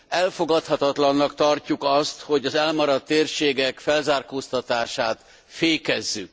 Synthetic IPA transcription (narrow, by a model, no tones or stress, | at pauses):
ɛlfo̞ɡɒt̪hɒt̪ɒt̪lɒnːɒkt̪ɒrcːukɒst̪ho̞ɟɒzɛlmɒɾɒt̪ːeːrʃeːɡɛkfɛlzaːrkoːst̪ɒt̪aːʃaːt̪ | feːkɛzːyk̚